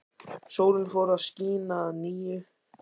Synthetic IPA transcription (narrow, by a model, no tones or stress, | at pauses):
soːwlɪnfowɾaðsciːnaðniːjʏ